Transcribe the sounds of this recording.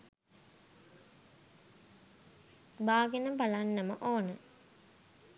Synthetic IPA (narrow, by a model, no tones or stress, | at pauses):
baːɡenəbalanːəməʔoːnə